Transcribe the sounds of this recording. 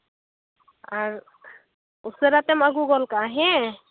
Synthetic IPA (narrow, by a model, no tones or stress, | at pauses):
aɹ | useɾat̪ɛmaɡuɡɔlkaɦɛ̃